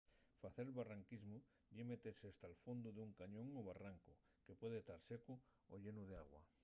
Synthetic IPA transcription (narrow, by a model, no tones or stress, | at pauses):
faθeɾlβaraŋkizmu | ʎemet̪eseːst̪alfond̪uðuŋkaɲõŋoβaraŋko | kepwe̞ð̞et̪aɾseku | o̰ʎe̞nuð̞ea̰ɣwa̰